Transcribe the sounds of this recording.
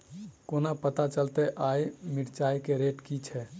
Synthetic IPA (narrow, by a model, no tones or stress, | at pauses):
konapət̪at͡ʃəlt̪ɛʔaimiʈt͡ʃajkeɾeʈkit͡ʃʰɛ